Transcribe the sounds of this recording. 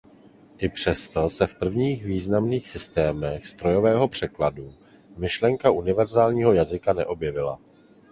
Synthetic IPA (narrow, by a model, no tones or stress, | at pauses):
ʔɪpr̝̥ɛst̪o̞sɛfpr̩vɲiːxviːznamniːxsɪst̪ɛːmɛxst̪ɾo̞jo̞vɛːɦo̞pr̝̥ɛkladu | mɪʃlɛŋkaʔunɪvɛɾzaːlɲiːɦo̞jazɪkanɛʔo̞bjɛvɪla̰